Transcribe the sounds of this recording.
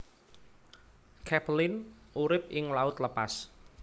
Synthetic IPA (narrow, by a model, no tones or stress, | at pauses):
kʰɛplɪnʔuɾɪp̚ʔɪŋlaʊt̪ləpas